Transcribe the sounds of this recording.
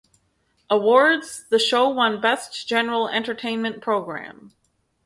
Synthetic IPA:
ʔəwɔɹdzðɨʃoʊwʌ̃nbɛsd̥ʒ̥ɛnə˞l̩ˠɛ̰̃ntə˞tʰẽɪ̃nmɨ̃npʰɹ̥oʊɡɹæ̰̃m

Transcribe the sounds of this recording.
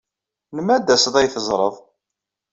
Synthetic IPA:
nəmæd̪ːæsðˤæjθəzˤɾˤəðˤ

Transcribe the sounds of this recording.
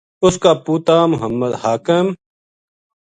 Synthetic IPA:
ʊskaːpuːt̪aːmʊɦəmːəd̪haːkɪm

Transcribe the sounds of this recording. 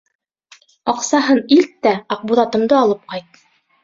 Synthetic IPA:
ɑqsɑɦɤnilt̪ːæɑq̚buðɑt̪ɤ̆md̪ɤɑlˠɤp̚qɑjt̪̚

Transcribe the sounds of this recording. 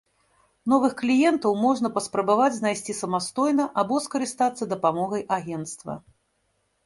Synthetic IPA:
n̪ɔvɨxklʲijɛnt̪ɐwmɔʐnɐpɐspɾɐbavad͡zʲznajsʲt͡sʲisɐmast̪ɔjnɐʔabɔskɐɾɨst̪at̪sːɐd̪ɐpamɔɣɐjʔaɣʲɛnt̪st̪vɐ̰

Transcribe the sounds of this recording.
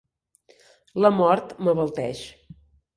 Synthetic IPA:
ləmɔɾt̪məβəlˠt̪ɛʃ

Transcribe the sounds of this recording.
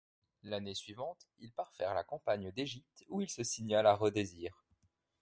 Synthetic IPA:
lanesɥivɑ̃t̪ilpaʁfɛʁlakɑ̃paɲəd̪eʒip̚t̪uilsəsiɲalaʁəd̪eziːʁ

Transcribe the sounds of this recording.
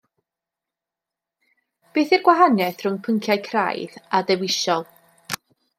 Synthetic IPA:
b̥eːθɛɡ̥waɦanɛθrʊŋpʰəŋkʰjajkʰra̰jðadɛwɪʃɔlˠ

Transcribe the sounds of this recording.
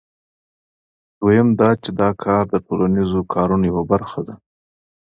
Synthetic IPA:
d̪̥ojɪmd̪ɑt͡ʃed̪ɑkʰɑɾd̪əʈolanizokʰɑɾunojawabaɾxad̪a

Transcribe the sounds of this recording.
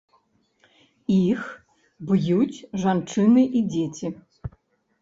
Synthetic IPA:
ix | bɨjut͡sʲʐant͡ʂɨnɨʔid͡zʲet͡sʲi

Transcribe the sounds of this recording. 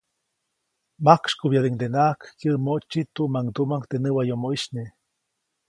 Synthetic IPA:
makʂkubjaleŋd̪enakkjəʔmot͡ʃːit̪uʔmaŋd̪umaŋkt̪enɨwajomoʔiʃne

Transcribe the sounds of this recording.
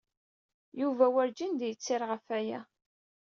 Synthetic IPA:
juvæwəɾd͡ʒind̪jət͡sːɪɾʁəfæjæ

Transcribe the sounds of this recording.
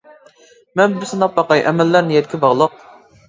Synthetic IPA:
mɛnbɪsɨnɑp̚bɑqɑjʔɛmɛlːæɾnɪjɛt̪̚ʲkʲʰibɑʁlˠəq̚

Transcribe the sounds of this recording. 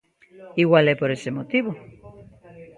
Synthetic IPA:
iɣwalɛpoɾesemot̪iβo

